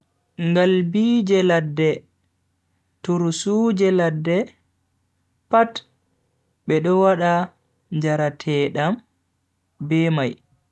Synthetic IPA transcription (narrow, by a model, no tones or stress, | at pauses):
ŋɡalbid͡ʒɛladːɛ | tuɾsuːd͡ʒɛladːɛ | pat | ɓɛɗɔwaɗa | ɲd͡ʒaɾatʰɛːɗam | bɛmaj